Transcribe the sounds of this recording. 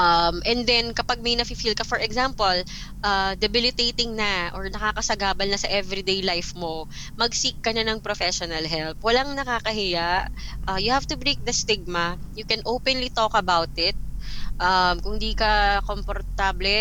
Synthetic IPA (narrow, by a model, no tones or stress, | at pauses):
ʔɐmʔɛnd̪ɛnkɐpɐɡ̚mɐjnɐfifilkɐfɔɹʔɛɡzampol | ʔaːd̪ɛbɪlɪt̪ejt̪ɪŋnɐʔɔɹnɐkaːkɐsɐɡaːbɐlnɐsɐʔɛvɾid̪ejlajfmo̞ | mɐɡ̚sikːɐnɐnɐŋpɾofɛʃɔnɐlɦɛlp̚wɐlaŋnɐkaːkɐɦɪjaʔʔɐjʊhavt̪ʊbɹejk̚d̪ɐst̪ɪɡ̚mɐjʊkɛnʔopɛnlit̪okɐbawt̪ɪt̪̚ʔɐmkʊŋd̪iːkɐkompoɾt̪ablɛ